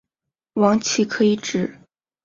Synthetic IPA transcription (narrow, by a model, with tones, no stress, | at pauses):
wɑ˧˥ŋt͡ɕʰi˧˥kʰɤ˧˥i˧˥ʈ͡ʂɻ̩˨˩˦